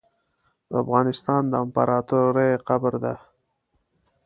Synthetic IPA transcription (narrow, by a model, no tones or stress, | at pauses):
d̪əafɣɑnɪst̪ɑnd̪əampɑɾɑt̪oɾajqabɾd̪a